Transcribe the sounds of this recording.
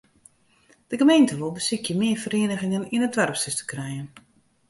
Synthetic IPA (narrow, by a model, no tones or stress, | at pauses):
d̥əɡəmejntəʋolˠbəsɪkʰjəmɪərfəɾeːnəɣɪŋəninətʋɛrpstɪstə̥krɛjən